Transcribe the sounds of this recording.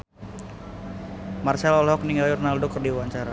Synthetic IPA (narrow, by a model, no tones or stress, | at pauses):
marsalɔlɦɔk̚niŋajurnaldɔkɔrdiuwaɲt͡ʃaɾa